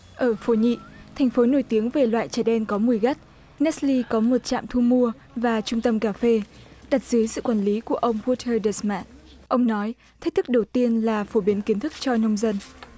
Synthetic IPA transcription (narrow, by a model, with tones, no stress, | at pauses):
ʔəː˧˩fo˨˦ɲḭ˧˨t̪ʰɛ˨˩jŋ̟fo˨˦no˧˩jt̪i˨˦əŋve˨˩lwa̰ː˧˨jt͡ɕəː˧˩ɗɛ˧nkɔ˨˦mu˧˩əjɣə˦˥t̚ | nɛ˦˥tli˧kɔ˨˦mo˨˩t̚t͡ɕa̰ː˧˨mt̪ʰu˧mu˧ə | vaː˨˩t͡ɕʊ˧ŋ͡mt̪ə˧mkaː˧˩fe˧ɗa˨˩t̚z̥ɨ˨˦jsɨ̰˧˨kwaː˧˩nli˨˦ku˧˩əʔə˧wŋ͡mɣu˧t̪ʰəː˧ɗə˨˩sma̰ː˦˥t̚ | ʔə˧wŋ͡mnɔ˨˦j | t̪ʰi̟˦˥t̪ʰɨ˦˥k̚ɗə˨˩wt̪i˧ənlaː˨˩fo˧˩ɓi˨˦ənki˨˦ənt̪ʰɨ˦˥k̚t͡ɕɔ˧nə˧wŋ͡mzə˧n